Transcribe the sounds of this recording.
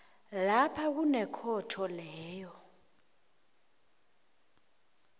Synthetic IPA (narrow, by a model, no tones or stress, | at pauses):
lapʰak̬unɛkʰɔtʰɔlɛːjɔ